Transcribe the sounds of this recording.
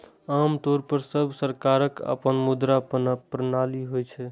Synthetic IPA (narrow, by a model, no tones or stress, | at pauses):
amt̪oɾpəɾsəbʱsəɾkaɾəkə̰pənmud̪ɾappɾənaliɦojt͡ʃʰɛ